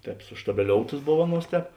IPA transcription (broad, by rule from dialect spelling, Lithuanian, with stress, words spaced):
ˈtʲɛːp sʊʃtɐbʲɛˈlʲoːʊtɐs ˈboːw ˈɑːˌnuɔs ˈtʲɛːp